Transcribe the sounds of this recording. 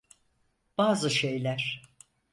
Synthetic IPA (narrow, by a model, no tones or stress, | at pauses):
b̥aːzɯʃejlʲæɾ̥